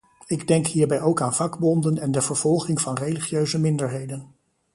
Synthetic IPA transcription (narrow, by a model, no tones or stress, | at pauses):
ɪɡdɛŋkɦiːɹbɛjowkaːnv̥ɑɡbɔndənɛndəv̥əɹv̥ɔlˠχɪŋvɑnrejliχjøɥzəmɪndəɹɦejdən